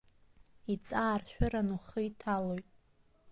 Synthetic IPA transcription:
it͡sʼaːrʃʷᶣʊɾanuχɨjtʰalojtʼ

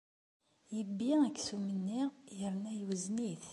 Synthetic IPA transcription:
jəbːiækːsumənːijəɾnæjuzniθ

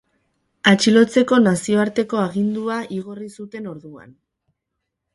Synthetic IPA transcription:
at͡ʃilo̞t͡se̞ko̞nasio̞aɾt̪e̞ko̞aɣ̞ind̪uaʔiɣ̞o̞risut̪e̞no̞ɾðua̰n

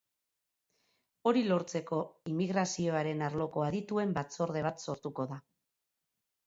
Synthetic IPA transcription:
o̞ɾilo̞ɾt͡se̞ko̞imiɣɾasio̞aɾe̞naɾlo̞ko̞aðit̪ue̞mbat̪so̞ɾðe̞β̞at̪so̞ɾt̪uko̞ða

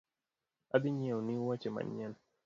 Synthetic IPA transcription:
abiɲɛuniwat͡ʃɛma̰ɲɛn

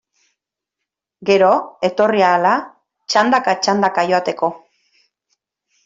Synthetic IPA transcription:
ɡe̞ɾo̞e̞t̪o̞riaːla | t͡ʃand̪akat͡ʃand̪akajo̞at̪e̞ko̞

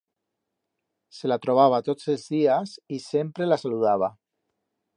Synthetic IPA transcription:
selat̪ɾoβ̞aβ̞at̪ot͡selzðiasisempɾelasaluðaβ̞a

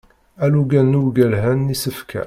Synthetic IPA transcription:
æluɡænːuɡælɦænːisəfkʰæ̰

